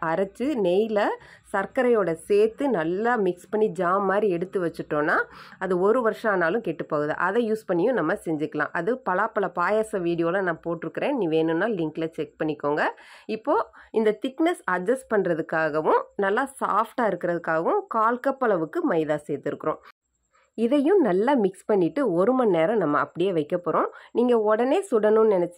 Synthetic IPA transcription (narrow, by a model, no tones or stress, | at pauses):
ɐɾɐt͡ʃːɯnɛjlɐsɐɾkɐɾɐjoːɽɐseːɾt̪ːɯnɐlːaːmɪkspɐɳːid͡ʒaːmɐmaːd̪ɾiɛɽɯt̪ːɯʋɐt͡ʃːɯʈːõːnːaːɐðɯɔɾɯʋɐɾʂɐ̃aːnaːlɯ̃keʈːɯpːoːɣɯðɯ̰ʔɐðɛjuːspɐɳːɪjʊ̃nɐmːɐsɛɲd͡ʒɯkːɐlã̰ːʔɐðɯpɐlaːpːɐlɐpaːjaːsɐʋiːɽɪjoːlɐnãːpoːʈːɪɾɯkːɪɾẽːnĩːʋeːnɯnːaːlɪŋklɐt͡ʃɛk̚pɐɳːɪkːoːŋɡɐɪpːoːɪnd̪ɐt̪ɪknɐsɐd͡ʒɐsʈpɐɳɾɐðɯkːaːɣɐʋʊ̃nɐlːaːsa̰ːfʈaːɪɾɯkːɪɾɐðɯkːaːɣɐʋʊ̃kaːlkɐpːɐlɐʋɯkːɯmɐɪðaːseːt̪ːɪɾɯkːɯɾõː | ɪðɐjʊ̃nɐlːaːmɪkspɐɳːɪʈːɯɔɾɯmɐnneːɾɐ̃nɐmːɐɐpːɐɽɪjeːʋɐɪkːɐpːɔːɾõːniːŋɡɐɔɽɐneːsʊɽɐnʊ̃nnɛnɛt͡ʃː